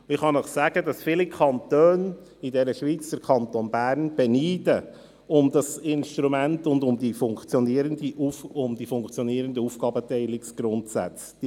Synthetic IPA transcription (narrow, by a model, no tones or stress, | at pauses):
ɪχhɑnəχsæːɡ̥ədɑsfilikʰɑnt̪øːn | idɛɾəʃʋiːt͡sd̪̥əɾkʰɑnt̪onbæːɾnb̥ɛniːdə | ʊmd̪ɑsɪnʃt̪ɾumæntʊnd̪ʊmd̪ifʊŋkt͡sjɔniəɾənd̪iʔufʊmd̥̪ifʊŋkt͡sjɔniːəɾəndəuːfɡ̥ɑːbətɛɪlɪksɡ̥ɾʊntsæ̰t͡s | d̥i